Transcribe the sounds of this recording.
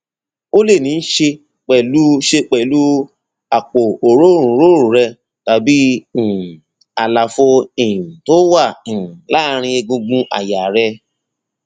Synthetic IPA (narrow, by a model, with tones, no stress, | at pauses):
o˦le˦˨nĩ˨˦n̩˦ʃe˧ | k͡pɛ˨lu˦ʃe˧k͡pɛ˨lu˦ | a˨k͡po˨o˨ɾo˦ɾ̃ũ˨˦ɾo˦ɾũ˨˦ɾɛ˧ | ta˧bĩ˦˨ | a˨la˨fo˧e˨ũ˨to˦wã˦˨la˦˧ɾ̃ĩ˧e˧ɡũ˧ɡũ˧ʔa̰˦˨ja˨ɾɛ˧